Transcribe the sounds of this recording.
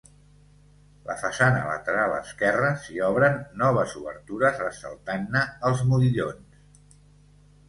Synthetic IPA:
ləfəsanə̰lə̰t̪əɾalə̰skɛrəsiɔβɾənːɔβ̞əzuβə̰ɾt̪uɾəzəsə̰lˠt̪anːəːlˠzmuðiʎons

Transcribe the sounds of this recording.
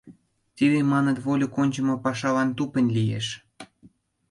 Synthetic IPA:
t̪iβemɑnə̆t̪βolʲokonʲt͡ɕə̆mopɑʃɑlɑnt̪upə̆nʲlʲijḛʃ

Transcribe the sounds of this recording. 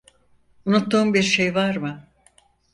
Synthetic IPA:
unut̪ːuːmbiɾʃe̞jvaɾmɯ

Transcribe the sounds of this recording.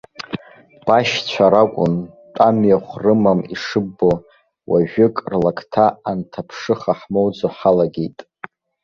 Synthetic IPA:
b̥aʃt͡ɕʷʰaɾakʷʼʊntʼamjaχʷrɨmamḭʂɨbːo | wʔaʒᶣʏkʼrlakʰʼtʰaːntʰapʰʂɨχaħmowd͡zoħalaɡʲejtʼ

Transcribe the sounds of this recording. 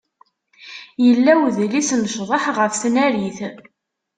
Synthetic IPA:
jəlːæwðlisnʃðˤəħʁəfθnæɾiθ

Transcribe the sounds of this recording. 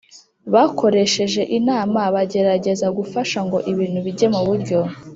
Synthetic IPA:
βakʰo̞ɾe̞ʃe̞ʒe̞ʔinaːmaβaɟe̞ɾaɟe̞zaɡufaʃaŋɡo̞ʔiβiːn̥huβiɟe̞muβuɾɟo̞

